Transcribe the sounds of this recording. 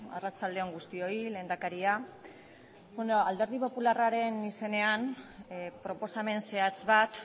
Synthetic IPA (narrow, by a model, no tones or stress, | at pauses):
a̰rat͡sald̪e̞oŋɡust̪io̞ile̞ːnd̪akaɾia | benoald̪e̞ɾð̞ipo̞pularaɾe̞nise̞ne̞an | pɾo̞po̞same̞nse̞at͡sβat̪